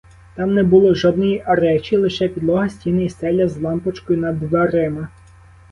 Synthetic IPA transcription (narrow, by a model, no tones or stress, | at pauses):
t̪ɑmnɛbʊlˠɔʒɔd̪̚nɔjiʔɐɾɛt͡ʃʲilˠɪʃɛpʲid̪lˠɔɦɐsʲtʲinɪjisɛlʲɐzlˠɑmpɔt͡ʃkɔjʊnɐd̪ʋɐɾɪmɐ